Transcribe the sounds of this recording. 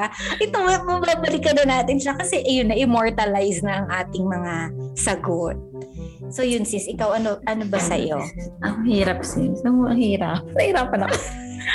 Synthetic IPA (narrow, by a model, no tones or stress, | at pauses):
ʔɛt̪oŋɐmɐbaːbɐlɪkɐd̪ɐnaːt̪ɪnʃɐkɐsɛʔjʊnːɐʔɪmo̞ɹt̪ɐlajsnɐʔɐŋʔaːt̪ɪŋmɐŋasɐɡot̪̚ | so̞jʊnsɪsʔɪkawʔɐnoʔɐno̞bɐsɐ̰jo̞̰ʔɐhiːɾɐp̚sɛsɐŋoʔɐŋhiːɾɐp̚nɐhiɾapɐnɐk